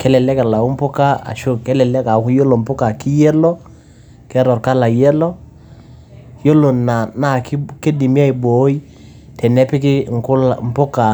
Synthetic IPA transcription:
kɛ˦lɛ˨lɛ˦kɛ˨la˨u˦m˦pʊ˦ka˦a̰˨ʃo˦kɛ˦lɛ˨lɛ˦ka˨˦kjo˦lo˨mpʊ˦ka˨kɪ˦jɛ˦lɔ˦ | kɛ˦ɾɔ˨rka˦la˨jɛ˦lɔ˦ | jo˦lo˨na˨na˦kɪ˦ke˦di˨mja˦i˨bo˨˦i˦ | tɛ˨nɛ˦pɪ˦kɪ˦ŋ˨kʊ˦lmpʊ˦ka˨

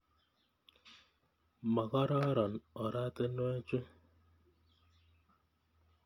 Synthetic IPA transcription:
mɔ˨ɣɔ˦ɾɔ˦ɾɔ˨nɔ˨ɾa˦te˦no˦e˦t͡ʃu˦

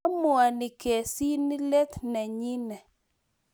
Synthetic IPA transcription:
mʊ˨a˨nɪ˨kɛ˨si˦ni˦lɛ˦t̪na˨ɲi˦nɛ˨

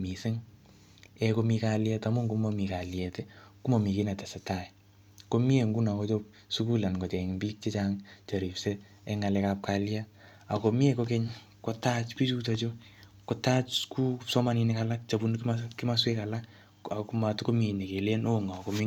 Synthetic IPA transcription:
mi˨sɪ˦ŋ | ɛko˧mi˧kaljɛ˦ta˨mʊ˦ŋɡu˨mo˦mi˨ka˨ljɛ˨te˦ku˦mo˨mi˨ke˦na˨te˨se˨ta˨j | ko˦mi˦e˨ŋɡu˦na˨ko˦t͡ʃo˦p | su˦ku˦la˨nko˨t͡ʃɛ˨ŋbi˦k̚t͡ʃe˦t͡ʃaŋt͡ʃa˨ɾi˨pse˦ | ɛ˦ŋa˨lɛkap̚ka˦lja | a˨ko˨mi˦e˦ko˦ke˦ɲ | ko˦ta˦t͡ʃpi˦t͡ʃu˦to˧t͡ʃo˦ | ko˨ta˦t͡ʃku˦psɔ˦ma˦ni˨nika˨la˦k̚t͡ʃa˨bu˦nkkɪ˦ma˦sweka˨la˦k | a˨ku˦ma˨tko˦me˨ne˨ke˨le˦no˦ŋa˨ko˨mɪ˦

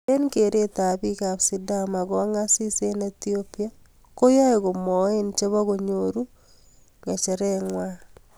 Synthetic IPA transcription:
e˦nike˨ɾe˦ta˨βi˦ka˨βsidama˨ɣoa˦ŋasi˦se˦netiopi˦a | ko˦ja˦eɣo˨mo˨e˦nt͡ʃe˦βaɣoɲoɾu˦ | ŋɡat͡ʃeɾɛŋwa

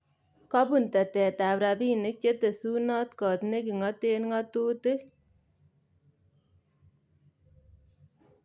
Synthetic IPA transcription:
kɑ˦pu˨ntɛ˨tɛ˨ta˨pɾa˨pi˦ne˦k̚t͡ʃe˦te˨su˦nɔ˦tkɔ˨tne˦ki˨ŋɔ˦te˦nŋɔ˦tu˦te˦

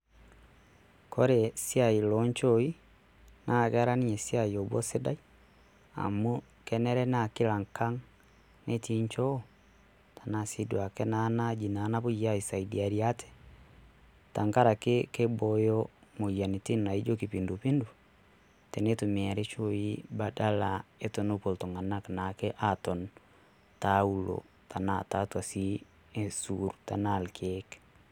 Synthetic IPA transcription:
kɔɾe˨siai˨lɔɲt͡ʃɔi | nʔa˦ɣɛ˦ɾa˦ni˦ɲɛ˨sia˨iɔ˨βwɔ̰˦se˦da˦i˦ | a̰˨mu˦ | kɛnɛ˦ɾɛ˦nakila˨ŋka˦ŋ | ne˦ti˦ɲt͡ʃɔ˦ | ta˨nasi˦dwa˨kɛ˦nanad͡ʒi˨na˨na˦βo˦jaisaidia˨ɾiatɛ̥ | ta˨ŋka˦ɾa˨ke˦ke˦bɔ˨jɔ˦mo˨ja˨ni˨ti˦na˨i˦d͡ʒo˦ki˨pindo˨pi˦ndo˨ | tɛ˨ne˦to˨me˨a˨ɾe˦t͡ʃo˦i˦ba˨da˦la˨e˦to˨no˦po˨lto˨ŋa˨na˦kna˨kɛ˦ʔa˦tɔ˨n | tau˦lo̰˨ | ta˨nata˦twa˨si˦ | esuɾta˨na˨lkʰɛk

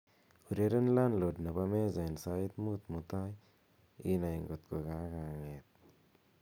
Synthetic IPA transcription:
u˨ɾe˦ɾe˦nla˦nlo˨dna˨ba˦me˦za˨i˨nsa˦i˦t̪mu˦t̪mu˨t̪a˦j | ḭ˦na˨i˨ŋɡo˨t̪̚ko˨ka˦ka˨ŋe˨t̪̚

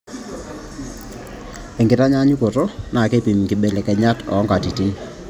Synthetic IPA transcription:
e˨ŋɡɪ˨ta˦ɲa˦ɲu˦ko˨tɔ˦na˨ke˦pi˨mkɪ˨ɓe˨lɛ˨kɛ˨ɲa˦tɔ̰˨ɔ˦ŋɡa˨ti˨ti˦n

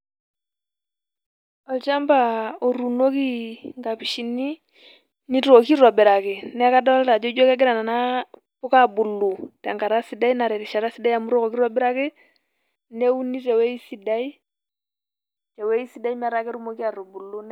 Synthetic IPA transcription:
ɔ˨lt͡ʃa˦mba˨o˨ɾu˨no˦ki˦ŋɡa˨pi˨ʃi˨ni˦ | ni˦ɾo˨ki˦ɾɔ˨bɪ˨ɾa˨kɪ˨nɛ˦ka˦da˦ɔ˦lɾa˨d͡ʒɔ˦d͡ʒɔ˦ka˦ɡɪ˦ɾa˨na˨na˦ | pʊ˦ka˦bu˨lːu˨ta˨ŋɡa˨ɾa˦si˨da˦i˦na˨ɾɛ˨ɾi˨ʃa˨ɾa˦si˦da˦ja˨mu˦ɾɔ˦ko˨ki˦ɾɔ˦bɪ˦ɾa˦kɪ˦ | ne˦u˦ni˦tɛ˨we˦i˦si˨da˦i˦ | tɛ˨we˦i˦si˨da˦i˦ma˨ɾa˦kɛ˦ɾu˦mo˦ki˦a˨ɾo˨bu˨lːu˦n

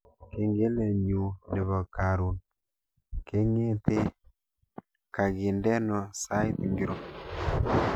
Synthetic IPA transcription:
ke˨ŋɡe˦le˨ɲu˨ne˨βɔ˨ka˨ɾu˨n | ke˦ŋe˦te˦ | ka˨ɣi˨ndɛ˦nɔ˨sa˦i˦t̪ŋɡi˦ɾo˦

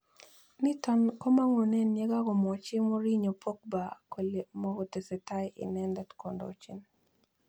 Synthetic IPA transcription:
nɪ˦tɔ˦nkɔ˦ma˦ŋɔ˨nɛ˦nje˦ɡa˦ɡɔ˨mɔ˨t͡ʃɪ˦mo˦ɾi˦ɲo˨pʰɔ˦k̚ba˨ko˨lmɔ˦ɡɔ˨te˨sɛ˨ta˦jɪ̰˨nɛ˦ndɛ˦tko˨ndo̰t͡ʃi˦n

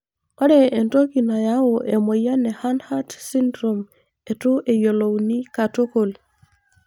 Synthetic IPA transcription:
ɔ˦ɾɛ˨e˨nto˦ki˨na˨ja˦wo˨ʔe˨mo˨ja˦nɛ˨ha˦nha˦tsi˦ndɾo˨m | e˨tʊ˦ʔe˨jo˨lo˨wni˦ka˨to˦ko˨l

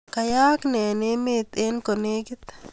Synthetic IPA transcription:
ka˨ja˦knɛ˨ne˦me˦t̪e˦nko˨ne˦ɡɪ˦t̪

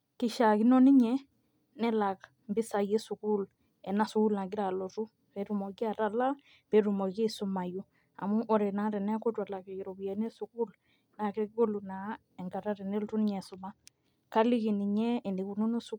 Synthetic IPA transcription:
ki˦ʃa˨ki˦nɔ˦ni˦ɲɛ˦ | nɛ˦la˨k | mbi˦sa˨je˦su˨ku˦l | ɛ˨na˨su˨ku˦lna˨ɡɪ˦ɾa˨lɔ˨tu˦ | pɛ˨˦ɾu˨mɔ˨ki˦a˨ta˨la˦ | pɛ˨ɾu˨mɔ˨ke˦su˦ma˨ju˦ | a̰˨mu˦ʔɔ˨ɾɛ˨na˨˦ɾɛ˨nɛ˦ko˦twa˨la˨ke˨i˨ɾɔ˨bjɛ˨ne˦su˨ku˦l | na˨ke˦ko˦lu˨na˨ | ɛ˨ŋɡa˨ɾa˦ɾɛ˨ne˦ltu˦ni˦ɲɛ˨su˨ma˦ | ka˦li˦ki˨ni˨ɲɛ˦ɛ˨ni˨ku˨nu˦no˦su˦

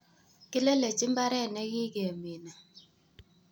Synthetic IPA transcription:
kɪ˦le˦le˨t͡ʃɪ˦mba˦ɾɛ˦˨nɛ˦ɡɪ˦ɡe˨mi˨na˨

